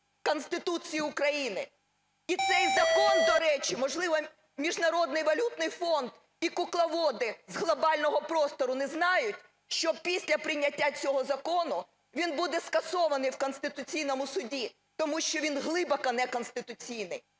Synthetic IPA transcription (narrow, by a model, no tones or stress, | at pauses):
kɔnsʲt̪ɪt̪ut͡sʲijiʊkɾɐjinɪ | it̪sɛjzɐkɔnd̪ɔɾɛt͡ʃimɔʒlˠɪʋɔ | mʲiʒnɐɾɔd̪̚nɪjʋɐlʲut̪nɪjfɔnd̪ | ikʊklˠɐʋɔd̪ɪzɦlˠɔbɑlʲnɔɦɔpɾɔst̪ɔɾʊnɛznɑjʊtʲ | ʃt͡ʃɔpʲisʲlʲɐpɾɪnʲːɐtʲːat͡sʲɔɦɔzɐkɔnʊ | ʋʲinbud̪ɛskɐsɔʋɐnɪjwkɔnsʲt̪ɪt̪ʊt͡sʲijnɔmʊsʊdʲi | t̪ɔmuʃt͡ʃɔʋʲinɦlˠɪbɐkɐnɛkɔnst̪ɪt̪ʊt͡sʲijnɪj